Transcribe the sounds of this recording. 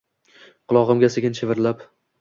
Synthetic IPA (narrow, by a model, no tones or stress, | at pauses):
qʰʊlˠɒʁɨmɡʲaseɡʲɪnʃʰevɪɾlap